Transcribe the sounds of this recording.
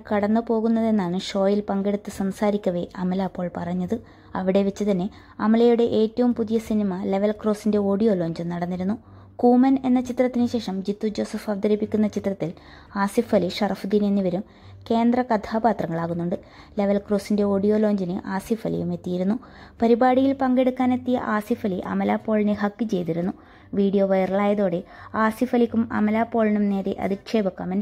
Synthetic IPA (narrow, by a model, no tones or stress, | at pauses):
kɐɽɐnːɨpo̞ːɣunːɐðe̞nːaːɳɨʂo̞ːjilpɐŋɡeɽut̪ːɨsɐmsaːɾikʲːɐʋe̞ʔɐmɐlapːo̞ːɭpɐrɐɲːɐðɨ | ɐʋiɽe̞ʋet͡ɕːɨt̪ɐnːe̞ | ɐmɐlɐjuɽe̞ʔeːtːɐʋumpuðijɐsinimɐle̞ʋɐlkro̞ːsinde̞o̞ːɽijo̞ːlo̞ːɲd͡ʑɨnɐɽɐnːiɾunːu | kuːmɐne̞nːɐt͡ɕit̪ːrɐt̪ːinɨɕe̞ːʂɐmd͡ʑit̪ːud͡ʑo̞ːsɐfɐʋɐd̪ɐɾipːikʲːunːɐt͡ɕit̪rɐt̪ːil | aːsifɐliʂɐrɐfd̪iːnenːiʋɐɾum | ke̞ːnd̪rɐkɐt̪ʰaːbaːt̪rɐŋːɐɭaːɣunːuɳɖɨ | le̞ʋɐlkroːsinde̞o̞ːɽijo̞ːlo̞ːɲd͡ʑinɨʔaːsifɐlḭjume̞t̪ːijiɾunːu | pɐɾibaːɽijilpɐŋɡe̞ɽukːaːne̞t̪ːijɐ̰ʔaːsifɐliʔɐ̰mɐlaːpːo̞ːɭinɨɦɐkːɨt͡ɕe̞jt̪iɾunːu | ʋiːɽijo̞ʋɐjɐrɐɭaːjɐðo̞ːɽe | aːsifɐlikʲːumɐ̰mɐlaːpːo̞ːɭinumne̞ːɾḛʔɐ̰d̪ikʂe̞ːbɐkːɐmɐn